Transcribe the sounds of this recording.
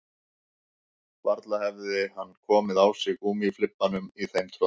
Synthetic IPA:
vaɾt̪lahɛvðɪhanːkʰɔːmɪðawsɪɣuːmiflɪpːanʏmiθejmt̪ʰɾo

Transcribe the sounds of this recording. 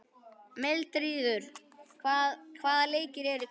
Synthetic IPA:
melt̪ɾiːðʏɾ̥ | kʰvaːðaleːjcɪɾɛɾɪ

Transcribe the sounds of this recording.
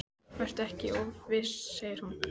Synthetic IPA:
vajr̥t̪ɛhcɪʔowvɪsseːjɪɾ̥hun

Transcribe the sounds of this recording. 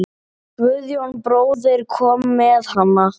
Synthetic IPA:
kvʏðjownpɾoːwðɪɾkʰɔːmːɛðhanːa

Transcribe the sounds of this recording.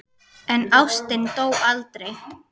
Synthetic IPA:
ɛnawst̪ɪnt̪oːwalt̪ɾej

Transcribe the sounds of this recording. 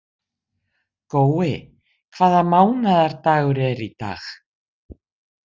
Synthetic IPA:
koːwɪ | kʰv̥aːðamaːwnaðaɾ̥t̪aːɣʏɾɛɾit̪a̰x

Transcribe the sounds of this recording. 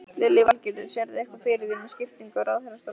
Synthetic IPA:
lɪlːɪvalcɪɾðɪnsjɛɾðɪɛhkvafɪːɾɪðɪnmɛscɪft̪iŋkʏɾawðhɛnːast̪a

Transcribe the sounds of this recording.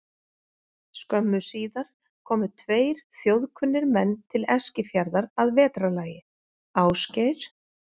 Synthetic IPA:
skœmːʏsiːðaɾ̥ | kʰɔːmʏt̪ʰveːjɾ̥θjowðkʰʏnːɪɾmɛnːt̪ʰɪlɛscɪfjaɾðaɾaðvɛːt̪ɾalaːjɪ | aːwscejɾ̥

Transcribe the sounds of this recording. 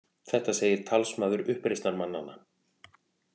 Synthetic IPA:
θɛht̪aseːjɪɾ̥t̪ʰalsmaːðʏɾʏhpɾejst̪naɾmanːa̰na

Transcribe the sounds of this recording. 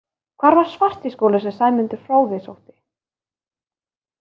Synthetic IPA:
kʰvaːɾvaɾ̥svar̥t̪iskoːwlasɛsaːjmʏnt̪ɪ̥fɾaːwvɪsowht̪ɪ̥

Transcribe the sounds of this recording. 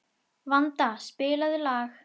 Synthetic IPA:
vant̪aspɪːlaðɪlaːx

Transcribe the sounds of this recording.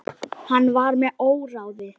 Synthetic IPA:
hanːvaɾmɛðoːwɾawðɪ

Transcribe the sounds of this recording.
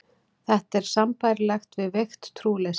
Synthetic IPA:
θɛht̪ɛɾ̥sampajɾlajxt̪vɪðvext̪ːʰɾuːlɛs

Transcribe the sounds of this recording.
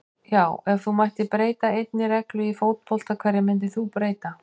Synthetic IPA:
jaːwɛvθumajht̪ɪpɾeːjt̪aejt̪nɪɾɛklʏifowt̪̚pʰɔl̥t̪akʰaːɾɪmɪnt̪̬ɪθupɾeːjt̪a

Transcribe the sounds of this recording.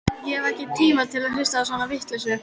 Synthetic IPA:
jɛɛvɛhcɪt̪ʰiːmaðt̪ʰɪlaðhɪst̪aasvaːnavɪht̪lɛs̬ʏ

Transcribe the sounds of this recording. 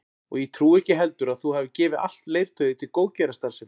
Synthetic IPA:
ɔ̰ɣjɛt̪ʰɾuːɛhcɪɦɛl̪t̪ʏɾaðθuhɛvɪcɪːvɪa̰l̥t̪leːjɾ̥t̪ʰœːɥðɪt̪ʰɪlkoːwcɛɾast̪asɪm

